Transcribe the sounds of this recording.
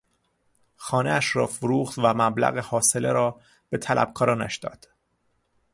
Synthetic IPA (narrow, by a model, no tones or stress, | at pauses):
xɒːneæʃrɒːfʊɾuːχt̪væmæblæ̰ɣehɒːse̞leɾɒː | b̥e̞t̪ʰælʔæ̰b̥̚kʰɒːɾɒːnæ̰ʃd̪ɒ̰ːd̪̥